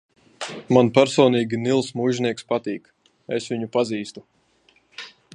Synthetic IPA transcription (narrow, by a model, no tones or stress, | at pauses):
manpæɾsɔːniːɡʲinilˠsmuːʒnʲiɛkspat̪iːk | esvʲiɲupaziːst̪u